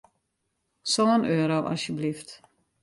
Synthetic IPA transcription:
soənøːɾowʔɑ̰sjəblift

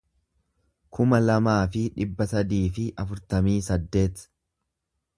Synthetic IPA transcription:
kʰʊmɐlɐmaːfɪᶑɪbːɐsɐd̪iːfɪʔɐfʊɾt̪ɐmiːsɐd̪ːe̞ːt̪

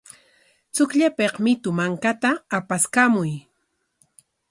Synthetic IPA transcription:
t͡sʊkʎapeqmɪt̪ʊmaŋkat̪aːpaskamʊj

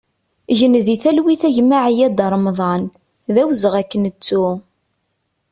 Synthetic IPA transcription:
ʝənðiθælwiθæʝmaʕijæd̪əɾˤmðˤɑn | ðæwzəʁækːənət͡sːu

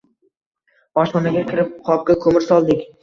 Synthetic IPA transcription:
ɒʃnɒnaɡʲakʲʰɪɾɪp̚qʰɒp̚kʲakʰɵmɪɾsɒlˠd̪ɪkʲ

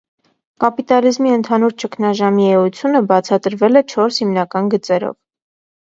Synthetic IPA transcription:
kɑpit̪ɑlizmiənt̪ʰɑnuɾt͡ʃəkʰnɑʒɑmiɛut͡sʰjunəbɑt͡sʰɑt̪əɾvɛlɛt͡ʃʰɔɾshimnɑkɑnɡət͡sɛɾɔ̰v

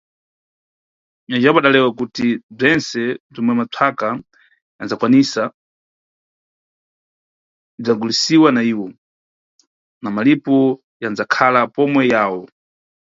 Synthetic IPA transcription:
nad͡ʒɛbɔaɗalɛwakutib͡ʐɛnsɛb͡ʐɔmwɛmatʰaka | ja̰nd͡zakwanisa | b͡ʐaŋɡulisiwanaiːwɔ | namalipɔ | janzakʰalapɔmwɛjaːwɔ

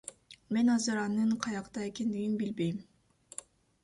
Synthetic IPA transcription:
me̞nɑzɯɾɑnɯɴqʰɑjɑqt̪ɑe̞ke̞nd̪iɡinbilbe̞jm

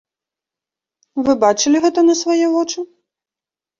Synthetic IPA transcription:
vɨbat͡ʂɨlʲiɣɛt̪ɐnɐsvajɛvɔt͡ʂɨ

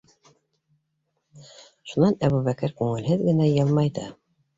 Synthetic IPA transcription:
ʃunɑnæβuβækɘɾkʉŋɘ̆lɦɘðɡɘ̆næjɤlˠmɑjd̪ɤ̰

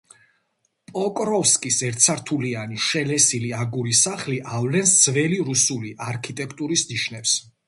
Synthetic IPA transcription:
pʼɔkʼɾɔfskʼisɛɾt̪sʰaɾt̪ʰulianiʃɛlɛsiliaɡuɾisaχliʔavlɛnsd̪z̥vɛliɾusuliʔaɾkʰit̪ʼɛkʰt̪ʼuɾisniʃnɛps

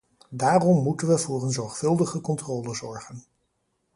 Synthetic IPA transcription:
daːrɔmːutənʋəvʊːrənzɔɹχfɵlˠdəχəkɔntroːləzɔɹχən

